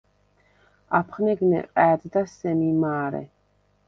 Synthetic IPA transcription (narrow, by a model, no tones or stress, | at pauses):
apʰχnɛɡnɛ̰qʼɛːd̪d̪asɛmimaːɾɛ̰